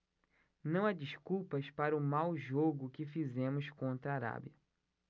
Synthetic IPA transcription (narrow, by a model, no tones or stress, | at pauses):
nɐ̃w̃ad͡ʒiskuwpɐspaɾɐʊmawʒoɡʊkɪfizẽmʊskõnt̪ɾɐːɾa̰biɐ